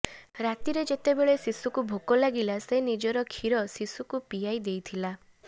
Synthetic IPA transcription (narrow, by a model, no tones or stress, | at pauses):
ɾat̪iɾed͡ʒet̪ebeɭesisukubʱokɔlaɡilasenid͡ʒɔɾɔkʰiɾɔsisukupijajd̪ejt̪ʰila